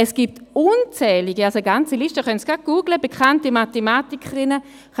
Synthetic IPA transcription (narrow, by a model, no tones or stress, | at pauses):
ɛsɡ̥iːp̚tunt͡sɛːliɡialsoɡant͡siliʃtəχœnsɡ̥aɡ̥uːɡləbekʰantimatemaːtikʰəʁɪnə